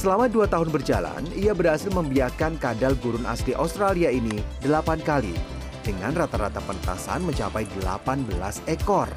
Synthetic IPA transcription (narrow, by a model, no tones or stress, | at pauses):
səlamaduat̪aɦʊnbərd͡ʒa̰la̰niabərɦasɪlməmbiakankadalɡuɾʊnʔa̰sliʔawst̪ɾaliainidəlapankalḭ | d̥əŋanrat̪aɾat̪apənt̪a̰sa̰nməɲt͡ʃapajdəla̰panbəla̰sɛkɔr